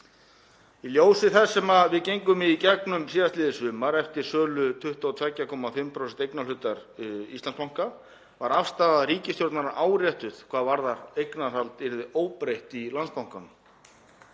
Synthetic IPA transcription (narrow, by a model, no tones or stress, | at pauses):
iljoːwsɪθɛssːɛmaðvɪðcejŋkʏmicɛknʏmsiːðast̪lɪːðɪsvʏːmaɾɛft̪ɪɾ̥sœːlʏt̪ʰʏht̪aɔt̪ʰvacːakʰɔːmafʏmpʰɾowsɛnt̪ejknalʏt̪aɾʏḭst̪anspawŋka | vaɾafst̪aːðaɾiːcɪst̪jowɾt̪naɾaʔaːwrjɛht̪ʏðkʰv̥aːðvaɾðaɾejknar̥alt̪ɪɾðɪʔoːwpɾejht̪ilanspawŋ̥kanm